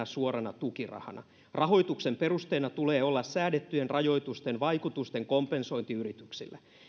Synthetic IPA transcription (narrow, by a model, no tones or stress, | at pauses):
ɑsuoɾɑnɑt̪ukirɑ̰hɑ̰nɑ̰ | rɑɦo̞jt̪uksemperust̪eːnɑt̪uleːolːɑssæːdet̪ːyenrɑjo̞it̪ust̪enʋɑikut̪ust̪eŋkompenso̞int̪iyrit̪yksilːæ